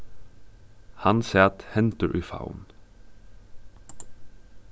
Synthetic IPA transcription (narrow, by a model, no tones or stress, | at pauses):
hɑnsɛːt̪hɛnt̪əʔʉfa̰ʊn